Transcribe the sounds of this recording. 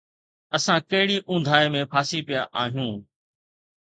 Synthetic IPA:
əsãkɐɦɪɽiːʔʊ̃ːnd̪ʱaːeːmẽpʰaːsipijaʔaːɦijũː

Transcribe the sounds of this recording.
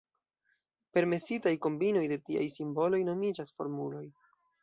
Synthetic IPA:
pe̞ɾme̞sitajko̞mbino̞jde̞tia̰jsimbo̞lo̞jno̞mid͡ʒasfo̞̰ɾmulo̞j

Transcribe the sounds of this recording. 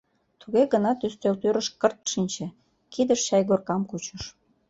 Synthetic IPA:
t̪uɣeɣənɑt̪yst̪ølt̪øɾəʃkərt̪ʃinʲt͡ɕĕ | kid̪əʃɕɑjɣorkɑmkut͡ɕəʃ

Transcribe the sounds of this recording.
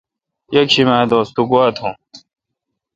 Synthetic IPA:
jɐkɕimæ̃ːd̪oːst̪uɡuat̪ʰũ

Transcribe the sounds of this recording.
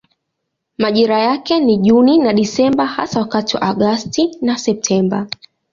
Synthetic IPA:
maʄiɾajakɛniʄuninaɗisɛmbaha̰sawakatiwa̰ʔaɠastinasɛp̚tʰɛmba

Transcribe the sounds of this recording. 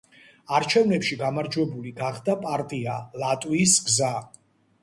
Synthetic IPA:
aɾt͡ʃʰɛvnɛpʃiɡamaɾd͡ʒwɛbuliɡaχd̪apʼaɾt̪ʼialat̪ʼwiːsɡza

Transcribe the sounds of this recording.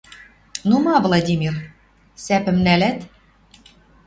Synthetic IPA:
numɑvlˠɑd̪ʲimʲir | sæpɘ̆mnælæt̪

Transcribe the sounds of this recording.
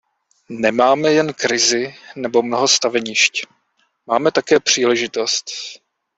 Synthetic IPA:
nɛmaːmɛjɛnkɾɪzɪnɛbo̞mnoɦo̞st̪avɛɲɪʃc | maːmɛt̪akɛːpr̝̥iːlɛʒɪt̪o̞st̪

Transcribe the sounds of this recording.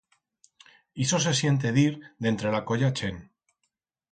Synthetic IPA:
iso̞s̬e̞sje̞nt̪̬e̞ðiɾd̪e̞nt̪ɾe̞lako̞ʝat͡ʃe̞n

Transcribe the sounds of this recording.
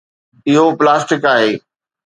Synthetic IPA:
ɪɦoplaːsʈɪkaːɦeː

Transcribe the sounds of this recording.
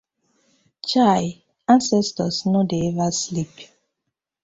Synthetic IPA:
t͡ʃaj | ãnsɛstɔsnodeɛvaslip

